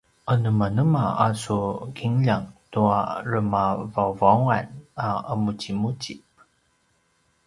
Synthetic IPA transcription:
ʔənəmanəmaa̰sukiŋʎaŋtuaɾəmavawvawŋanaəmut͡ɕimut͡ɕip

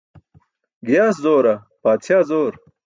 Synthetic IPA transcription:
ɡijaːszoːɾɐ | paːtt͡ɕʰjaːzoːɾ

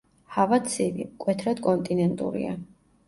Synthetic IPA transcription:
havat̪sʰivḭmkʼwɛt̪ʰɾad̪kʼɔnt̪ʼinɛnt̪ʼṵɾḭa̰

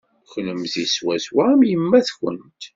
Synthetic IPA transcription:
xnəmziswæzwamjəmːæθçə̰nt̪

